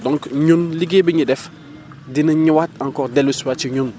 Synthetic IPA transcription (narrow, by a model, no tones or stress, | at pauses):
dɔ̃ŋkɲunliɡebiɲidɛf | dinəɲiwatãŋkɔʁdɛluswat͡ʃiɲun